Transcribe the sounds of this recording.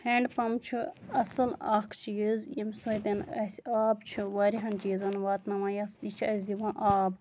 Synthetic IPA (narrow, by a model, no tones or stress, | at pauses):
heːɳɖpɐmt͡ʃʰuɐsɐlaːkʰt͡ʃʰijizimsot̪ʲenɐ̰sʲaːbt͡ʃʰuʋaːɾiɦɐnt͡ʃizɐnʋaːt̪nɐmãːjɐsit͡ʃʰɐsʲd̪ʲiʋãːʔaːb